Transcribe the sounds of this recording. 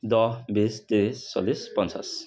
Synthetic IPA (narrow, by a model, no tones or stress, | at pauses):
d̪ɔbist̪iɾisːɔ̰lispʌnt͡sʰa̰s